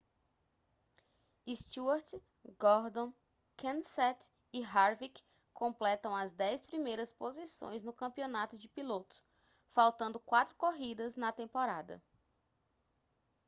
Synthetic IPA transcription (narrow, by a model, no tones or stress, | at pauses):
ist̪uaɾt͡ʃ | ɡɔɾd̪õ | kʰẽnsɛt̪ | iɦaɾvik | kõmplɛt̪ɐ̃w̃ɐzd̪ɛjspɾimejɾɐspozisõ̰j̃znʊkɐ̃mpionat̪ʊd͡ʒɪpilot̪ʊ̥s | fawt̪ɐ̃nd̪ʊkwat̪ɾʊkoɦid̪ɐznɐt̪ẽmpoɾad̪ɐ̰